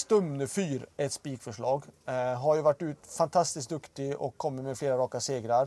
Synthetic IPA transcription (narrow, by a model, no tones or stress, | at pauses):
st̪œmnəfyːɾɛt̪spiːkfœʂɭɑːɡɦaɾjɵvæʈːʉːt̪fant̪ʰɑst̪ɪsk̚d̪ɵkt̪ɪʔɔkʰːɔmːət̪mɛfleːɾaɾɑːkaseːɡɾaɾ